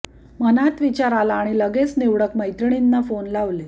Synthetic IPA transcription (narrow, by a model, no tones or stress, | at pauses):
mənat̪ʋit͡ɕaɾalaːɽ̃iləɡet͡sneʋɽəkməjt̪ɾɳ̃inːafonlaʋle